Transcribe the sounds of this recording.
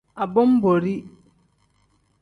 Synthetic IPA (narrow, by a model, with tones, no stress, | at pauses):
a˨bɔ˦m̩˦bo˨ɾi˦